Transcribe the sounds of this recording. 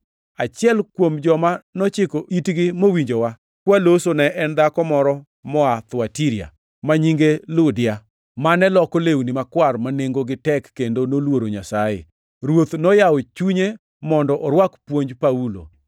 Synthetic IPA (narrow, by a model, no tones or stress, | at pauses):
at͡ʃɪɛlkwomd͡ʒɔmanɔt͡ʃɪkoitɡɪmowiɲd͡ʒowa | kwalosonɛʔɛnd̪akɔmɔɾɔ | mɔat̪watiɾia̰ | maɲiŋɡelʊdɪja | manɛlɔkolewnimakwarmaneŋɡoɡɪtɛkːendonolwoɾoɲasajḛ | ɾwot̪nɔjawot͡ʃuɲe | mɔndɔʔɔɾwakpwoɲd͡ʒpaulo̰